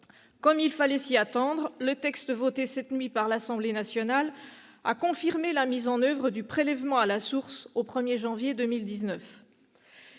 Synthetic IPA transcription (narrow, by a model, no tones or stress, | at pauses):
kɔmilfalɛsiat̪ɑ̃d̪ʁlət̪ɛkst̪vot̪esɛt̪nɥipaʁlasɑ̃blenasjɔnal | a̰kɔ̃fiʁmelamizɑ̃nœvʁəd̪ypχelɛvmɑ̃alasuʁsopχəmjeʒɑ̃vjed̪ømild̪iznœf